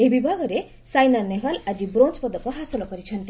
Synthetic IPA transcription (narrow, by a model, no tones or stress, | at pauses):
ebibʱaɡɔɾe | sajnanːeɦalad͡ʒibɾont͡ʃpɔd̪ɔkɔɦasɔlɔkɔɾit͡ʃʰɔnt̪i